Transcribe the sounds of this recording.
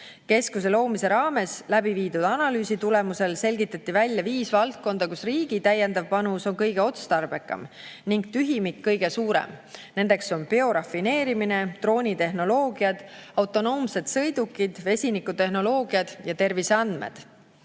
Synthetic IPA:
ke̞skus̬e̞lo̞ːmise̞ɾɑːme̞slæbiviːd̪ud̪̥ɑnɑlyːsit̪ule̞muse̞lse̞lʲɡit̪ːˑɑt̪ːˑivælʲjɑviːsvɑlt̪̚ko̞nd̪ɑkusriːɡ̥it̪æjːe̞nd̪ɑvpɑnuso̞nkɤjɡ̥e̞o̞t̪st̪ɑrb̥e̞kːˑɑ̰m | niŋɡ̥̚t̪yɦimikːɤ̞jɡ̥e̞suːɾḛmne̞nd̪e̞kso̞npeo̞ɾɑfːine̞ːɾimine̞t̪ro̞ːnʲit̪e̞ɦno̞lo̞ːɡ̥iɑd̪̥ɑwt̪ˑo̞no̞ːmse̞d̪sɤ̞jd̪̥ukːˑid̪̥ve̞sʲinikːˑut̪e̞ɦno̞lo̞ːɡ̥iɑd̪̥jɑt̪e̞rviseɑnd̪mḛd̪̥

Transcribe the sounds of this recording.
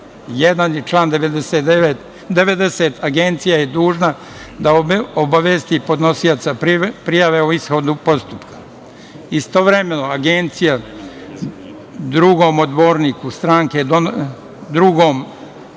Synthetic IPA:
jed̪anjet͡ʃlˠaːnd̪eʋed̪eset̪eʋet̪ | d̪e̞ʋe̞d̪e̞seːt̪ʰaɡent̪sijajed̪uːʒna | d̪aoobaʋeːst̪ipo̞d̪no̞sijot̪sappɾijaʋe̞uisxo̞d̪upo̞st̪upkḁ | ist̪oʋɾeme̞no̞aɡent̪sija | d̪ɾuɡo̞ːmod̪bo̞ːɾniːkust̪ɾaːŋked̪o | d̪ɾuɡo̞ːm

